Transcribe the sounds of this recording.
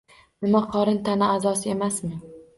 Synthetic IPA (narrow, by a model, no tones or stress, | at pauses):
nɪmaqʰɒɾɪnt̪ʰanɪazɒsɪe̞masmɪ